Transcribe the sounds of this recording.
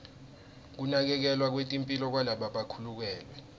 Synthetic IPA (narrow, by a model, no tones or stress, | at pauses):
k̬unak̬ɛk̬ɛlwak̬wetʼimpʼilɔk̬walaɓaɓakʰuluk̬ɛːlwɛ